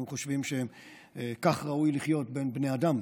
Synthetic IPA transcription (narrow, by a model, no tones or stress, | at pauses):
uχoʃvimʃeem | kaχʁaujliχjo̞tbe̞nbneadam